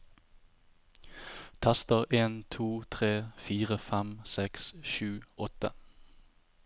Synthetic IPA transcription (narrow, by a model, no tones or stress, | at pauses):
t̪ʰæst̪əʁeːnt̪ʰuːt̪ʰʁeːfiːʁəfɛmsɛksʃʉːɔt̪ə